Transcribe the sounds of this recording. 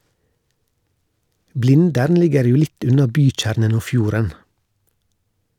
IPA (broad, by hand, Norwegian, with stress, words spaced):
ˈblɪndəɾn ˈlɪɡəɾ ˈjuː ˈlɪt ˈʉnɑ ˈbyːˌc͡çæːɾnən ˈoː ˈfjuːɾən